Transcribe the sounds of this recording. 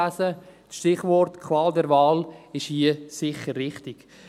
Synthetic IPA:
æsə | ʃtɪχʋɔrtkʰwaːldɛɾvaːlɪʃhiəsɪχːərːɪχtɪk

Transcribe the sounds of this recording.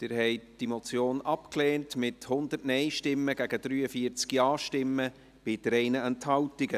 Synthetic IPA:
tɪːɾhɛɪtd̥imot͡sjoːnɑpkleːntmɪthʊnd̥̪ərtnɛɪʃtɪmːəɡæɡ̥əd̥ɾyːəfiət͡skjɑːʃtɪmːə | b̥ɪd̥əɾɛɪnəɛnthɑwtɪɡə

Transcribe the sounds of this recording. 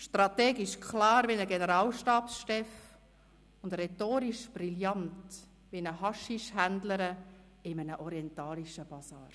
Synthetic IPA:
ʃtrɑt̪ɛːɡiʃkʰlɑːɾʋinəɡenəɾɑːlʃtɑːpsʃtɛf | ʊndɾɛtoːɾiʃb̥riljɑnt | ʋinəɦɑʃiʃhændləɾə | ɪmənəʔɔɾiɛntɑːliʃəb̥ɑsɑː

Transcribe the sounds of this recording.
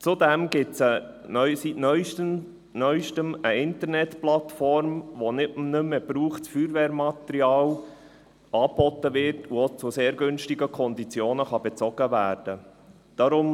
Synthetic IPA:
t͡sudɛmɡɪtsə | œsitnœʏ | nœʏʃtəməɪntəɾnɛtplɑt̪fɔɾmʋonɪnʏmːəb̥ɾuːχtsfyːɾʋɛːɾmɑt̪əɾiɑːl | ɑːb̥ɔtːəʋɪɾtʰuot͡sʊseːɾɡʏnʃtɪɡəkʰɔnd̪it͡sjoːnəχɑb̥ɛt͡sɔɡ̥əvæːɾd̥ə | d̥ɑɾʊm

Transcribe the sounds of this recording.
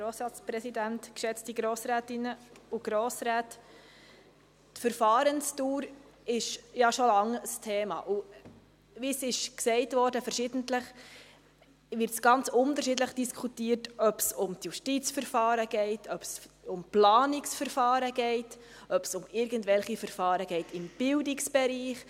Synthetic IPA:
ɾoːsɾɑːt͡spɾɛsidæntkʃɛt͡stiɡɾoːsɾæːtɪnəuɡ̥ɾoːsɾæːt | tfəɾfɑːɾənstuːɾ | ɪʃjɑʃolɑŋəstʰeːmɑ̰ʔu | ʋisɪʃksɛɪtʋɔːɾdəfəɾʃɪd̥ən̩tləχ | ʋɪɾtsɡ̥ɑnt͡sʊnt̪əɾʃɪdləχd̥iskʰutiːəɾtœpsʊmtjuʃtit͡sfəɾfɑːɾəɡ̥ɛɪtʰœpsʊmplɑːnɪksfəɾfɑːɾəɡ̥ɛɪt | ʔœpsʊmɪɾɡən̩tʋɛlχifəɾfɑːɾəɡ̥ɛɪtɪmb̥ɪldɪksb̥ɛɾiːχ

